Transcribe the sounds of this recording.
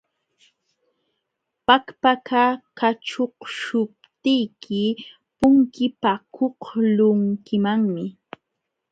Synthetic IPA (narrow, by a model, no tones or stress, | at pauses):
pakpakʰakaʈ͡ʂoqʃʊp̚t̪ɪjkʰɪ | pʊŋkɪpakʰoqlʊŋkɪmaŋmɪ